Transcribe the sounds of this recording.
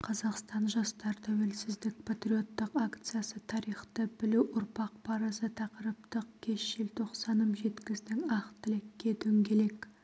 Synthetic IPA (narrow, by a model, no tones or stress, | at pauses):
qʰɑzɑqst̪ɑnʒɑst̪ɑɾt̪ʰæwelsɪzd̪ɪk̚pʰat̪ɾio̞t̪ːəqakt̪sɨjasət̪ʰɑɾijχt̪əbɪluʔʊɾpɑq̚pʰɑɾɑsət̪ʰɑqəɾəpt̪əq̚kʲʰe̞ʃʒɪlt̪ʰo̞qsɑnəmʒe̞t̪kʲɪzd̪ɪŋɑqt̪ɪlekʲːe̞d̪ɵŋɡʲe̞lek